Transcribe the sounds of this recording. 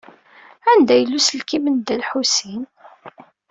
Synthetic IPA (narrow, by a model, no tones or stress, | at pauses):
ænd̪æjəlːusəlkimənd̪ælħusin